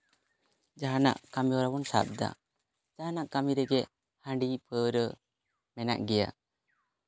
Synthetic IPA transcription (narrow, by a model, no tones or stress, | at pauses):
d͡ʒaɦana̰ʔkamiɔɾawɔnsa̰p̚d̪a̰ | d͡ʒaɦanaʔkamiɾɛɡɛʔ | hãɳɖipʰəɾə | mɛna̰ʔɡɛja̰